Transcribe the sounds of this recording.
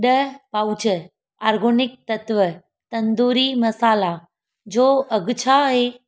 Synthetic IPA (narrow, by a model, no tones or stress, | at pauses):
ɗəpawt͡ɕə | aːɾɡʱoːnɪk̚t̪ɐt̪ʋə | t̪ɐnd̪uːɾimɐsaːla | d͡ʑoːɐɡt͡ɕʰaɦe